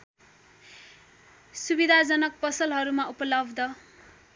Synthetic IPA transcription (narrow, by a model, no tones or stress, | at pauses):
subid̪ʱad͡zʌnʌk̚pʌsʌlɦʌɾumaupʌlʌbd̪ʌ